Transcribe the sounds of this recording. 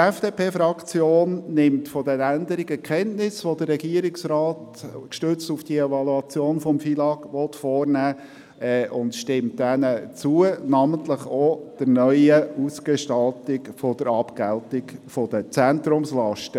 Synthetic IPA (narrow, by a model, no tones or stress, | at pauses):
ɛfd̥eːpʰeːfɾɑkt͡sjoːnnɪmtfɔd̥ɛnænd̪əɾɪɡəkʰɛntnɪsʋodərːɛɡiəɾɪksrɑːtkʃtʏt͡stufd̥iəɛvɑluɑt͡sjoːnfɔmfilɑɡʋɔt̪fɔːrnæː | ɛʔʊntʃtɪmtːɛnət͡suənɑməntləχod̥əɾnœʏəuskeʃtɑltɪkfɔd̥əɾɑpɡ̥æltɪkfɔd̥ət͡sænt̪ɾʊmslɑʃtə